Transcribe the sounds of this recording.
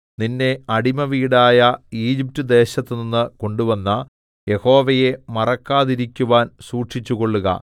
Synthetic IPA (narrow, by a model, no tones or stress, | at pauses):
ninːe̞ɐɽimɐʋiːɽaːjɐiːd͡ʑip̚tɨd̪e̞ːɕɐt̪ːɨninːɨko̞ɳɖuʋɐnːɐ | je̞ho̞ːʋɐje̞mɐrɐkːaːðiɾikʲːuʋaːnsuːʈʂit͡ɕːuɣo̞ɭːuɣɐ̰